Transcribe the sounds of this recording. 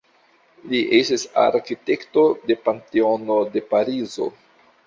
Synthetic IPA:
liʔestisa̰ɾkite̞kto̞de̞panteonode̞paɾizo̞̰

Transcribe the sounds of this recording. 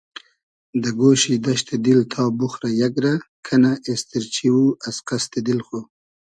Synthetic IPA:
d̪əɡoːʃid̪aʃt̪ed̪ilt̪ʰɑːbuxɾajaɡɾakʰanaʔest̪iɾt͡ʃiwuasqast̪ed̪ilxo

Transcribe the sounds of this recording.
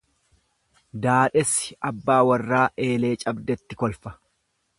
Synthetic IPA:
d̪aːᶑɛsɪɐbːaːwɐrːaːʔe̞ːle̞ːt͡ʃʼɐbd̪ɛt̪ːɪkɔlfɐ̥

